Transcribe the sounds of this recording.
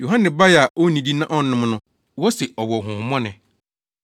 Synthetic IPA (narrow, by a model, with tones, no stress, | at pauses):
jo˨ɦã˦nɪ̃˨ba˦jɛ˨a˨o˦nĩ˨di˦nã˦ʔɔ˦n̩˦nʊ̃˦m˦nʊ̃˦ | wɔ˦sɛ˨ɔ˨wɔ˨ɦʊ̃˨hmɔ̃˦nɪ̃˨